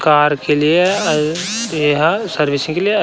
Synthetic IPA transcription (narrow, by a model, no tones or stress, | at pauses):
kaːɾkelie | ɦsəɾʋɪsɪ̃ŋkelieɐ